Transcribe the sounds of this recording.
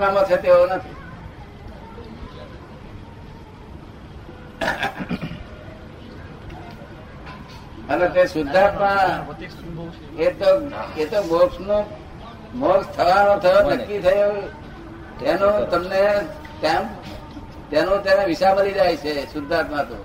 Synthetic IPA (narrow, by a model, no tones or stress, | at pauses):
mãmə̃t͡ʃʰet̪eonət̪ʰi | əlet̪esʊd̪ʱːat̪mã | et̪oet̪omoksno | mokst̪ʰəʋanõt̪ʰəjonəkːit̪ʰəjo | t̪enõt̪əmne | t̪ã | t̪enõt̪eneʋɪʃabəlid͡ʒajt͡ʃʰesʊd̪ʱːat̪mãt̪õ